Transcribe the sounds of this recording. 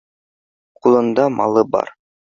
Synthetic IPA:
qʰulˠund̪ɑmʔɑ̰lˠɯbɑ̰ɾ

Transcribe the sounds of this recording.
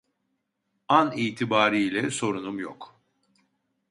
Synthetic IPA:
aniːt̪ʰibaːɾilʲɛso̞ɾunumjok

